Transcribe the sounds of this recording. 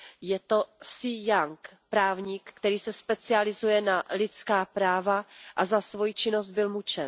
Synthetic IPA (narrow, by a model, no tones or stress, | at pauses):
jɛt̪o̞sɪjaŋkpɾaːvɲikːt̪ɛɾiːsɛspɛt͡sɪalɪzujɛnalɪt͡skaːpɾaːvaʔazasvojit͡ʃɪno̞st̪̚bɪlmut͡ʃɛn